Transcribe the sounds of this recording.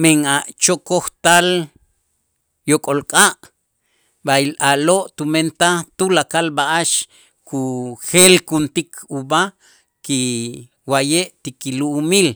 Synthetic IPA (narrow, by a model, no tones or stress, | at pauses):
meŋaʔt͡ʃokoht̪al | jokʼolkʼaʔ | bailʔaloʔt̪ument̪at̪ulakalbaʔaʃ | kʰuxelkunt̪ikʰuba | ki | wajeʔt̪ikiluʔːmil